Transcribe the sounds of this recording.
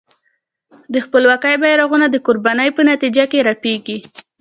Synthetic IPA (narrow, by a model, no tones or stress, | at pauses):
d̪əxpəlwakajbajɾaɣunad̪əkoɾbanəjpənat̪id͡ʒakeɾapeɡi